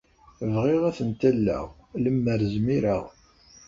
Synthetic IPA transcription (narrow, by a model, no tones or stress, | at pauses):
vʁɪʁæθənt̪ælːæ̰ʁləmːəɾzmiɾəʁ